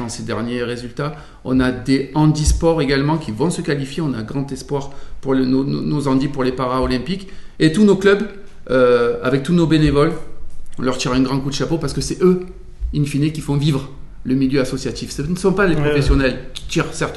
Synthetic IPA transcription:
ɑ̃sed̪ɛʁnjeʁezylt̪a | ɔ̰̃nad̪eɑ̃d̪ispɔʁeɡalmɑ̃kʲivɔ̃səkalifjeɔ̃naɡʁɑ̃t̪ɛspwaʁpuʁlnono̰nozɑ̃d̪ipuʁlepaʁaɔlɛ̃piket̪unoklœb | øa̰vɛk̚t̪unobenevɔlɔ̃lœʁt̪iʁaɛ̃ɡʁɑ̃kud̪əʃapopaʁsəkəsɛø | infinekʲifɔ̃vivʁ | ləmiljøasɔsjat̪ifsənəsɔ̃paleppχɔfɛsjɔnɛlkʲi̥t̪iʁsɛʁt̪

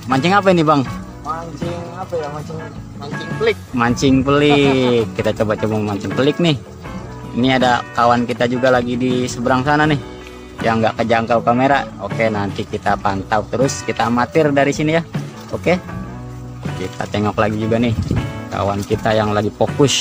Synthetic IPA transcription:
maɲt͡ʃɪŋap̬ainibaŋ | maɲt͡ʃɪŋapajamaɲt͡ʃɪŋmaɲt͡ʃɪŋpəlɪk̚maɲt͡ʃɪŋpəlɪkːit̪at͡ʃobat͡ʃomamaɲt͡ʃɪŋpəlɪk̚nɪh | iniadakawankit̪ad͡ʒuɡalaɡidisəbəɾaŋsananɪh | jaŋːɡaʔkəd͡ʒaəŋkaukameɾaokenant̪ikit̪apant̪awt̪əɾʊskit̪aːmat̪ɪrdaɾisinija | oke | kḭt̪a̰t̪eŋɔklaɡid͡ʒuɡanɪhka̰wankit̪ajaŋlaɡipokʊs

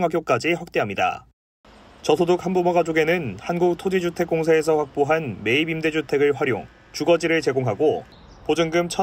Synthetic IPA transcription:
ŋɦaɡjok̚k͈ad͡ʑiɸwak̚t͈e̞ɦamɲida̰ | t͡ɕʌsʰodok̚hambomʌɡad͡ʑoɡe̞nɯnhanɡuk̚tʰod͡ʑid͡ʑutʰe̞k͈oŋsʰaes̬ʰʌɸwak̚p͈oɦanme̞ibimde̞d͡ʑutʰe̞ɡɯɭɸwaɾjo̰ŋ | t͡ɕuɡʌd͡ʑiɾɯɭt͡ɕe̞ɡoŋɦaɡo | pod͡ʑɯŋɡɯmt͡ɕʰʌ

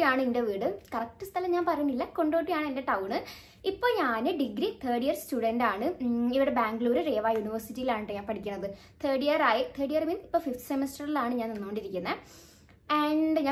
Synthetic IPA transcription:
ijaːɳɨindeʋiːɽɨkɐrɐk̚tːɨst̪ʰɐlɐmɲaːnpɐrɐjunːilːɐko̞ɳɖo̞ːʈːijaːɳɨendeʈɐwɳɨ | ipːo̞ːɲaːnɨɖiɡɾit̪ʰeːɖijɐrstuːɽɐndaːɳɨiʋiɽebaːŋɡɭuːɾɨre̞ːʋaːjuniʋɐrsitːijilaːɳɨʈːɨɲaːnpɐʈʰikʲːunːɐðɨ | t̪ʰeːɖijɐɾaːjit̪ʰeːʈijɐrminipːoːfift̪ʰsemestɐrilaːɳɨɲaːnenːɐkoːɳɖiɾikʲːunːɐ | eɐɳɖɨɲaː

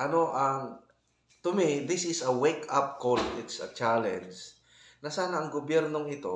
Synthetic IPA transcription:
ʔɐnoʔɐŋ | t̪ʊmiðɪsɪsɐwekʰap̚koltɪt̪sɐ̰t͡ʃalɛ̰̃nd͡ʒ | nɐsaːnɐʔɐŋɡobjɛɾnoŋɪt̪o̰

